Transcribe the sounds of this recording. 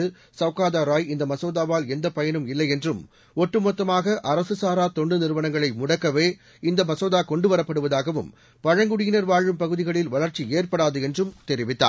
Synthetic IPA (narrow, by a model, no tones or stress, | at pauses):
ɯ | sɐʋkaːðaːɾaːjɪnd̪ɐmɐsoːðaːʋaːlɛnd̪ɐpɐjɐnɯmɪlːɐɪjɛndrɯm | ɔʈːɯmɔt̪ːɐmaːɣɐʔɐɾɐsɯsaːɾaːt̪ɔɳɖɯnɪɾɯʋɐnɐŋɡɐɭɐɪmʊɽɐkːɐʋeː | ɪnd̪ɐmɐsoːðaːkɔɳɖɯʋɐɾɐpːɐɽɯʋɐðaːɣɐʋɯm | pɐɻɐŋɡɯɽɪjɪnɐɾʋaːɻʋɯmpɐɣɯðɪɣɐɭɪlʋɐɭɐɾt͡ʃieːrpɐɽaːðɯɛndrɯmt̪ɛɾɪʋɪt̪ːa̰ː